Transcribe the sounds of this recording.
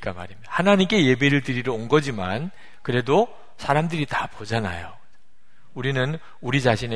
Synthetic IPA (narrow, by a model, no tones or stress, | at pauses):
k͈ama̰ɾimidahanaɲimk͈e̞je̞be̞ɾɯɭtɯɾiɾooŋɡʌd͡ʑima̰n | kɯɾe̞do | sʰaɾamdɯɾitapod͡ʑana̰jo | uɾinɯn | uɾid͡ʑaɕʰine